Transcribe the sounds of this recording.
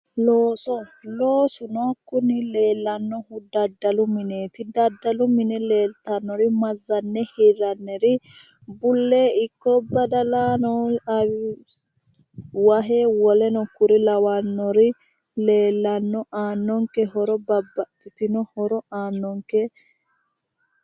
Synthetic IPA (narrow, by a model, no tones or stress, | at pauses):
loːsɔloːsʊnɔkːʊnɪle̞ːlːɐnːɔhʊd̪ɐd̪ːɐlʊmɪne̞ːt̪ɪd̪ɐd̪ːɐlʊmɪnɛleːlt̪ɐnːɔɾɪmɐzːɐnːɛhɪɾːɐnːɛɾɪ | bʊlːeːɪkːɔbɐd̪ɐlaːnɔɐw | wɐɦewɔlɛnɔkːʊɾɪlɐwɐnːɔɾɪ | le̞ːlːɐnːɔʔaːnːɔŋkɛɦɔɾɔbɐbːɐt̪ːɪt̪ɪnɔhɔɾɔaːnːɔŋkɛ